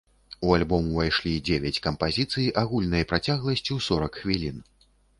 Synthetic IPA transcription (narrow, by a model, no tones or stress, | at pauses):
ualʲbɔmuvajʂlʲid͡zʲevʲɛt͡sʲkɐmpazʲit̪sɨjiʔaɣulʲnɐjɐpɾat͡sʲaɣlˠɐsʲt͡sʲisɔɾɐkxvʲilʲin